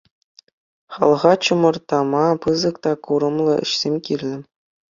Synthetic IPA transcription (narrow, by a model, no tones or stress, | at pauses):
χɑlˠʁɑt͡ɕɤ̆mɤ̆rt̪ɑmɑpɯzɤ̆kt̪ɑkuɾɤ̆mlˠɤ̆ɘ̰̆ɕsʲemʲkʲirʲlʲɘ̆